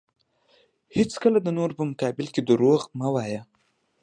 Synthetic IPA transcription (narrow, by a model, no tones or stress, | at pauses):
hɪt͡skəlad̪ənoɾpəmʊkɑbɪlked̪əɾoɣmawaja